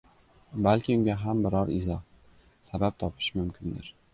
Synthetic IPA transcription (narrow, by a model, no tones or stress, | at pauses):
balkʲɪʊŋɡʲaɦambɪɾɒɾɪzɒh | sabap̚t̪ʰɒpʰɪ̥ʃmʊmkʲʰɪnd̪ɪ̰ɾ